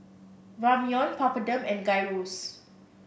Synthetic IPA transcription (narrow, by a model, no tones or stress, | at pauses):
ɹamiɔ̃npapədə̃mɛ̃nɡajɹos